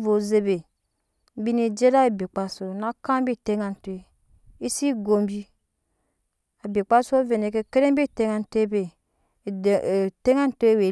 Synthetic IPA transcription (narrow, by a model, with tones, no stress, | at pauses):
vo˨ze˦be˨˦ | bi˦ni˨d͡ʒe˦ɾa˦e˨bi˨k͡pa˨so˨na˦ka˦m˦bi˦te˦ŋa˨n˨te˨ | i˦si˦ɡo˨mbi˦ | a˨bi˨k͡pa˦so˦ve˨ne˨ke˨ke˦ɾe˦m˦bi˦˨te˦ŋa˨n˨te˦be˨ | te˦ŋa˦n˦twe˨